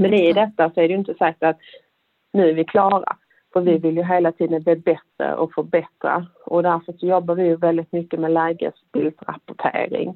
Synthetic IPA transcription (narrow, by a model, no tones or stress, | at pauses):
mɛnɪd̪ɛt̪ːasɔæɖɛjɪnt̪əsak̚t̪at̪ | nʉ̟ːæɾvɪkʰlɑːɾa̰ | fœɾvɪvɪljɵɦeːlat̪ʰiːd̪ənvɪːbɛt̪ɾə̰ʔɔfœbɛt̪ɾa̰ | ʔɔd̪æɾfœʂɔjɔbːaɾvɪjɵvɛld̪ɪt̪mʏkːəmɛlæːɡə̰sbɪld̪ɾa̰pʊʈʰḛːɾɪ̰ŋ